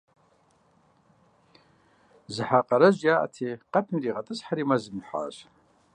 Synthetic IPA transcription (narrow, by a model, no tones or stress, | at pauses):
zħaqʼaɾaʒʷjaʔa̰tʰeqʼatʰniriʁatʼɨsħaɾimazɨmħʷa̰ːɕʼ